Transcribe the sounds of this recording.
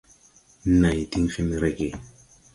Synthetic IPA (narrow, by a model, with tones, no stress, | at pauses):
na˨jti˦ŋfi˦mi˦ɾe˦˨ke˨